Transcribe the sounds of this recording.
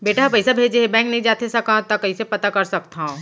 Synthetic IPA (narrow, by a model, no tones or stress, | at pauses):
beːʈaɦpɐɪsabʱeːd͡ʒeɦebɛ̃ːŋk̚nɐɦĩd͡ʒaːt̪esɐkaɦãt̪akɐĩsepɐt̪akɐɾsɐk̚t̪aɦũː